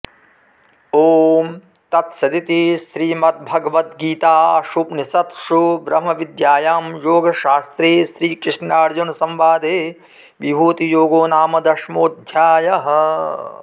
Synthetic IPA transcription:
oːm | t̪ɐt̪sɐd̪it̪isɾiːmɐt̪̚bʱɐɡɐʋɐt̪̚ɡiːt̪aːʃupnisɐt̪ʃuʋɾɐmɐʋid̪jaːjaːmjoːɡɐʃaːst̪ɾeːʃɾiːkɾɪʂnaːɾd͡ʒunsɐ̃mʋaːd̪ʱeː | ʋibʱoːt̪ijoːɡoːnaːmɐd̪ɐʃmoːd̪ʱjaːjɐɦɐ̆

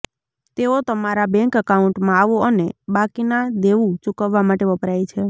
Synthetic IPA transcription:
t̪eot̪əmaɾabɛ̃ŋkəkaũɳʈmãaʋoənebakinad̪eʋũt͡ʃukəʋːamaʈeʋəpɾajt͡ʃʰe

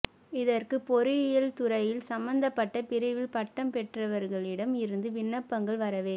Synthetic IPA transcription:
ɪðɐrkɯpɔɾɯɪjɐlt̪ʊɾɐjɪlsɐmbɐnd̪ɐpːɐʈːɐpɪɾɐʋɪlpɐʈːɐmpɛʈrɐʋɐɾɣɐɭɪɽɐmɪɾɯnd̪ɯʋɪnːɐpːɐŋɡɐɭʋɐɾɐʋeː

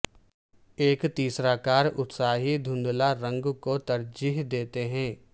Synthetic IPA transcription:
eːkt̪iːsɾakaːɾʊt̪saːɦid̪ʱʊ̃nd̪laɾɐ̃ŋɡkot̪ɐɾd͡ʒiːɦd̪eːt̪eɦɛ̃ː

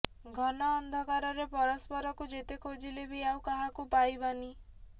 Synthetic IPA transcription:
ɡʱɔnɔːnd̪ʱɔkaɾɔɾepɔɾɔspɔɾɔkud͡ʒet̪ekʰod͡ʒilebʱiawkaɦakupajbani

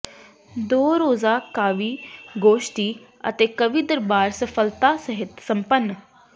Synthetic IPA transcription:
d̪oːɾoːzaːkaːʋiːɡoːʃʈiː | ə̰t̪eːkəʋiːd̪əɾbaːɾsəpʰəlt̪aːsəɦɪt̪səmpənː

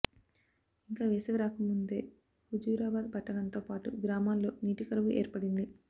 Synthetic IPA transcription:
iŋkaːʋeːseʋiɾaːkɐmːund̪e̞̰ː | hud͡ʒuːɾaːbaːd̪̚bʱɐʈːɐnɐnt̪o̞ːpaːʈṵɡɾaːmaːlːo̞ːniːʈikɐɾɐʋuʔe̞̰ːɾpɐɽind̪i

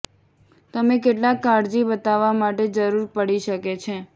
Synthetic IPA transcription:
t̪əmek̬eʈlakːaɽd͡ʒibət̪aʋamaʈed͡ʒəɾuɾpəɽiʃəket͡ʃʰe

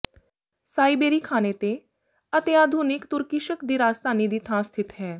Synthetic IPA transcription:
saːibeːɾiːkʰaːneːt̪eː | ət̪eaːd̪ʱuːnɪkt̪ʊɾkɪʃəkd̪iːɾaːzt̪aːniːd̪iːt̪ʰãːst̪ʰɪt̪ɦɛː

